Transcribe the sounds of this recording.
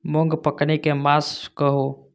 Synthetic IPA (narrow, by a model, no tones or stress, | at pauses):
mɔ̃ŋɡpəknekemaːskəɦo